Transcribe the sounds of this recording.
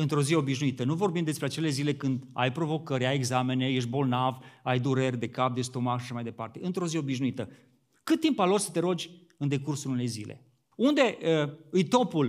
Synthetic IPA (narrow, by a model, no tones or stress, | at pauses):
ɨnt̪ɾo̞zieo̞biʃnuit̪ənuvo̞rbimd̪e̞spɾeat͡ʃe̞le̞zile̞kɨnd̪a̰jpɾo̞vo̞kəɾʲaje̞ɡzame̞ne̞jeʃ̬t̪bo̞lnavajd̪uɾerʲd̪e̞kap̚d̪e̞st̪o̞makʃaʃamajd̪e̞pa̰rt̪e̞ɨnt̪ɾo̞zieo̞biʃnuit̪ə | kɨt̪t̪ːimpalorsə̥t̪e̞ɾo̞d͡ʒʲ | ɨnd̪e̞kursuluune̞jzilḛ | und̪e̞ʔəɨjt̪o̞pul